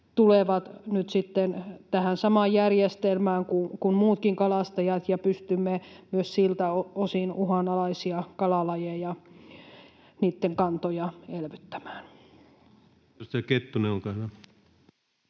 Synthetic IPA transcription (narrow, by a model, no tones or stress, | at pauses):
t̪uleʋɑt̪nyt̪sit̪ːent̪æhænsɑmɑjjærjest̪elmæːŋkukunmuːt̪kiŋkɑlɑst̪ɑjɑt̪jɑpyst̪ymːemyøssilt̪æoosinuhɑnɑlɑisiɑkɑlɑlɑjejɑ | niːt̪ːeŋkɑnt̪ojɑelʋyt̪ːæ̥mæ̥ːn | st̪ɑket̪ːuneolkɑlɑ